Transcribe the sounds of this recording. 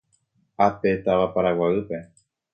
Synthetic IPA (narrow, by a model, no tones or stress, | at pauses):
ape̞t̪aʋapaɾawaɨpe̞